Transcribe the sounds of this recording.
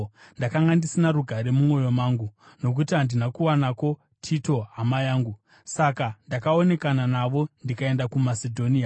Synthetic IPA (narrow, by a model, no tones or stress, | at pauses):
ndakaŋɡandisinaɾuɡʱaɾe̞mumo̞jo̞maːŋɡu | no̞k̬utiɦandinakuwanako̞ | tʰito̞ɦamajaːŋɡu | sakandakao̞ne̞kananaʋo̞ndikae̞ndakumasedʱo̞nia